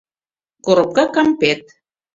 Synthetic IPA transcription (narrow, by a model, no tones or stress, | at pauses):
koɾŏp̚kɑkɑmpet̪̚